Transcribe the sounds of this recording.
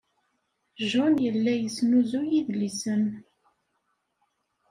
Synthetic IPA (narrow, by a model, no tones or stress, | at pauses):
ʒɔnjəlːæjəsnuzujiðlːisən